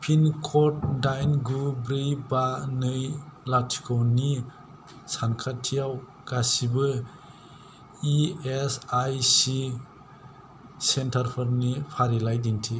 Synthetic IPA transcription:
pʰinkʰɔt̚dajnɡubɾɯjbanɯjlatʰi̥kʰɔwni | sankʰatʰijaw | ɡ̥asibɯ | iesajsi | sentʰaɾpʰɯɾnipʰaɾilajdiŋtʰi

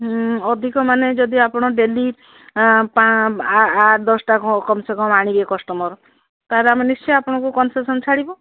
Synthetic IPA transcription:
ɔd̪ʱikɔmaned͡ʒɔd̪iapɔɽ̃ɔɖeli | pa | aʈd̪ɔsʈakɔkɔmsekɔmaɽ̃ibiekɔsʈɔmɔɾ | t̪aɦaɾeamenist͡ʃɔapɔɽ̃ɔ̃kukɔnsesɔnt͡ʃʰaɽibɔ

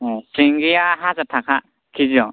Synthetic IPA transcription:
siŋɡijaɦazatʰakʰa | kʰiziɔ

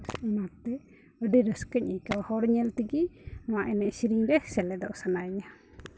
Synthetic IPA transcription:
mat̪ɛ | əɖəɾəskəɲʔikawhɔwɾɲɛlt̪iɡiaʔɛnɛʔsiɾiŋɾɛhsɛlɛd̪ɔʔsanajɲa

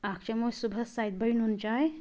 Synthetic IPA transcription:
ak̚ʰt͡ʃamosubʱəsajt̪̚bəɾinunt͡ʃaj

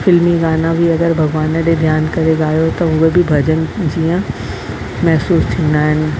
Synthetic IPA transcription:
fɪlmiɡaːnabʱiɐɡəɾbʱɐɡʋaːnə̃ɗed̪ʱjaːnkɐɾeɡaːjot̪ɐɦʊebʱibʱɐd͡ʑənd͡ʑijə̃ | mɛɦsuːst̪ʰĩːnd̪aːɦɪnɪ̆

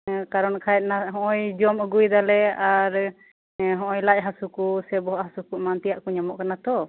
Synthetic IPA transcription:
kaɾɔnkʰajɛt̪̚naɦɔ̃ʔɔjd͡ʒɔməɡujd̪alɛaɾ | ɦɔ̃ʔɔjlac̚ɦasukusɛbɔɦɔʔhasukuʔmant̪ijaʔkɔɲamɔʔkanat̪ɔ

